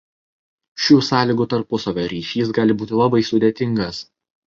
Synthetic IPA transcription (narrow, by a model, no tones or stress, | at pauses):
ʃʲuːsɑːlʲiːɡuːt̪ɐɾpʊsɐʋʲoːɾʲiːʃʲiːs̬ɡɑːlʲɪbuːt̪ʲɪlˠɐbɐɪsʊd̪ʲet̪ʲɪŋɡɐs